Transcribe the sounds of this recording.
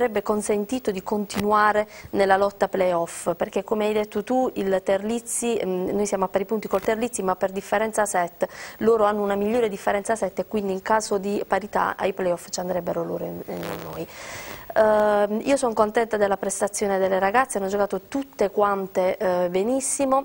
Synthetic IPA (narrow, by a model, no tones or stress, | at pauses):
aɾɛbːekonsent̪iːt̪od̪ikont̪inuaːɾenelːalɔt̪ːaplɛjɔfperkekːomeajd̪et̪ːot̪uilt̪erlit̪sːinojsjaːmoapːaɾipunt̪ikolt̪erlit̪simapːerd̪ifːeɾɛnt̪sasɛt̪ːloːɾoanːounamiʎːoːɾed̪ifːeɾɛnt̪sasɛt̪ːekːwind̪iːŋkaːzod̪ipaɾit̪a̰ʔa̰jplɛjɔfːt͡ʃiand̪ɾɛbːeɾolo̰ːɾonnːoːj | ḭːosɔŋkont̪ɛnt̪ad̪elːapɾest̪at̪sːjoːned̪elːeɾaɡat̪sːeanːod͡ʒokaːt̪ot̪ut̪ːekwant̪ebenisːimo